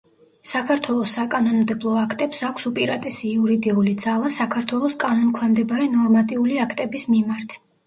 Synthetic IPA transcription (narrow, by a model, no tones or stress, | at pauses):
sakʰaɾt̪ʰwɛlˠɔsːakʼanɔnmd̪ɛblˠɔakʰt̪ʼɛpsakʷʰsupʼiɾat̪ʼɛsiːuɾid̪iulid̪z̥alˠasakʰaɾt̪ʰwɛlˠɔskʼanɔnkʰwɛmd̪ɛbɾɛnɔɾmat̪ʼiuliakʰt̪ʼɛbismimaɾt̪ʰ